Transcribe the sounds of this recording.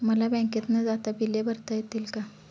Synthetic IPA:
məlabɛ̃ket̪nəd͡zat̪abilebʱəɾt̪ajet̪iːlka

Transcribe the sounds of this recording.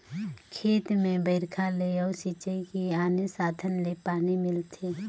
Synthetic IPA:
kʰeːt̪mẽbəɪɾkʰaleɔːsit͡ʃəikiaːnesaːd̪ʱənlepaːnimɪlt̪ʰe

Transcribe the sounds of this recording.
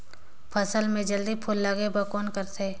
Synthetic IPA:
pʰəsəlmẽd͡ʒəld̪ipʰʊlːaːɡebəkɔːnkəɾt̪ʰeː

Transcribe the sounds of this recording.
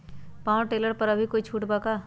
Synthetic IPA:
pãːw̃ʈeːləɾpɐɾɐbʱikoːit͡ʃʰuːʈbaːkaː

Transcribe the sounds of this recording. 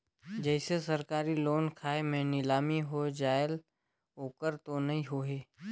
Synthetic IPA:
d͡ʒɛːsesɐɾkaːɾiloːnkʰaːemẽnɪlaːmiɦod͡ʒaːɪl | oːkəɾt̪onɐɦĩɦoːɦeː

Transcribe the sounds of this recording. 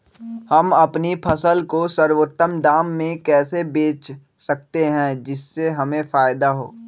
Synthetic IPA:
hɐmɐpnipʰɐsəlkosɐɾwot̪ːəmd̪aːmːẽkɛːsebeːt͡ʃ | sɐk̚t̪eɦɛ̃d͡ʒɪsːeɦɐmẽfaːjɪd̪aɦo̰ː

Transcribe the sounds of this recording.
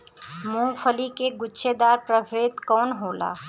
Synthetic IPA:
mũːfʰəlikeɡʊtːʃed̪aːɾpɾəbʱeːd̪kɔːnɦoːla̰ː

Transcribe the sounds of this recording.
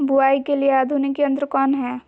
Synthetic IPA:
bʊaːikelieaːd̪ʱunikeɐ̃nd̪ɾkɔːnɦɛː

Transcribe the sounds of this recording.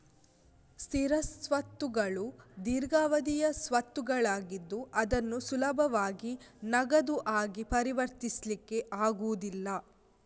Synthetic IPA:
st̪iɾɐsʋɐt̪ːuɡɐɭud̪iːɾɡaːʋɐd̪ijɐsʋɐt̪ːuɡɐɭaːɡid̪ːuɐd̪ɐnːusulɐbʱɐʋaːɡinɐɡɐd̪uʔaːɡipɐɾiʋɐɾt̪islikːe̞ʔaːɡuʋud̪ilːɐ

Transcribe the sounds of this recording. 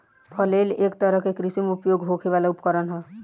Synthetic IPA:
pʰəlelekt̪əɾəɦkekɾisimeupjoɡɦokʰebalaupkəɾənɦə̃

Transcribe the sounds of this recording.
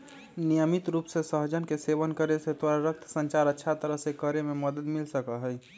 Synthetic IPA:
nijəmit̪ɾuːpsesəɦd͡ʒənkeseʋənkəɾeset̪aɾɾək̚t̪ʰsə̃ɲt͡ʃaːɾətːʃʰat̪əɾəɦsekəɾemẽməd̪əd̪milsəkəɦɛj

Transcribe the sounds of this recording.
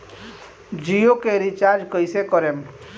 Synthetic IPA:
d͡ʒijokeɾit͡ʃaɾd͡ʒkəjsekɔɾem

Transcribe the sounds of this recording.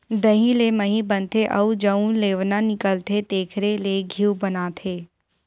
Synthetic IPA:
d̪əɦĩleməɦĩbənt̪ʰeʔɐud͡ʒəũleːʋnanɪkəlt̪ʰet̪eːkʰɾeleɡʱiwbənaːt̪ʰeː

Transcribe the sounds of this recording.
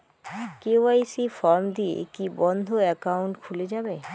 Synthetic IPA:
keoajsifɔɾmd̪iḛkibɔnd̪ʱoɛkauɳʈkʰuled͡ʑabe

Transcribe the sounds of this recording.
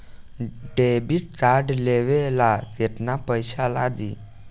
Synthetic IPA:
ɖebiʈ̚t͡saɾɖleʋelat̪eʈ̪napəjɕalad̪i

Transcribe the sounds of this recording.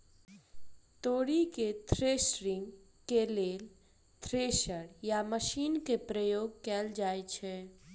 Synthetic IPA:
t̪oːɽiket̪ʰɾeːsɾɪ̃ŋɡ | keleːl | t̪ʰɾeːʃəɽjaməʃiːnkepɾəjoːɡkɛːld͡ʒaːet͡ʃʰɛ

